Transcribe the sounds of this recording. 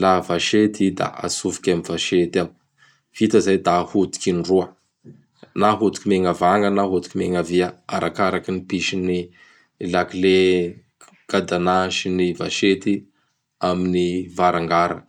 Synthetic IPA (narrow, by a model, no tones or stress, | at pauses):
lavaʃet̪id̪a̰a̰suvi̥kʲamiv̥aʃet̪am | v̥it̪əzajd̪ahut̪i̥kinruə | naɦut̪i̥kimeŋavaŋɡənaɦut̪i̥kimeŋaviaa̰ɾʔakaɾakinipiʃini | lakile | ɡ̥ad̪anaʃiniva̰ʃet̪i | aminivaɾaŋɡaɾə̰